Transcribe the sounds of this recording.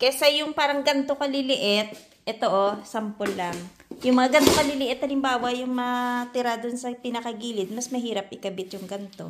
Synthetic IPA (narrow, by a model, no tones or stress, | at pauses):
kɛsɐjʊŋpaːɾɐŋɡɐnt̪okɐlɪlɪʔɪt̪̚ | ʔɛt̪oʔosɐmpolːɐŋ | jʊŋmɐŋaɡɐnt̪o̞kɐlɪlɪʔɪt̪hɐlɪmbaːwɐjʊŋmɐat̪ɪɾad̪onsɐpɪnɐkɐɡiːlɪd̪̚mɐsmɐɦiːɾɐp̚ʔɪkɐbɪt̪jʊŋɡɐnt̪o̞̰